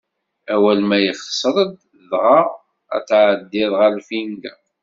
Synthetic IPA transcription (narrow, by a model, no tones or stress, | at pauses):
æwælmæjəχsˤɾˤəd̪ | ðʁɑ | æ̰t͡sːʕəd̪ːɪðˤʁælfinɡa